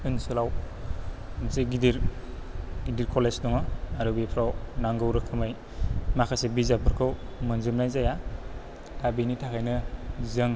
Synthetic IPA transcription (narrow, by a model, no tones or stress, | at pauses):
ɯnsɯlaw | mseɡidiɾ | ɡidiɾkʰɔlezdɔŋaaɾɯbipʰɾawnaŋɡɯwɾɯkʰːɯmaj | makʰasebizapʰɯɾkʰɯwmɯnzɯmnajzaja | tabinitʰakʰajnɯzɯŋ